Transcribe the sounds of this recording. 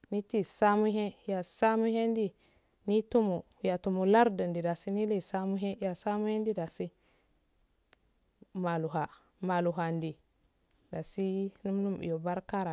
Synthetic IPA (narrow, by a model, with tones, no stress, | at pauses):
ni˦ti˦sa˦mu˦ɦe˦ja˨sa˦mu˦he˦ndi˦ | ni˦tu˦mu˨ | ja˨tu˨mu˨la˦ɾdə˨ndi˨da˨si˦ni˦li˦˨sa˦mu˦ɦe˦ja˨sa˦mu˦he˦ndi˦da˨si˦ | ma˨lu˨ɦa˨ | ma˨lu˨ɦa˨ndi˨ | da˨si˦nu˦mnu˦mḭ˨jo˨ba˦ɾka˦ɾa˨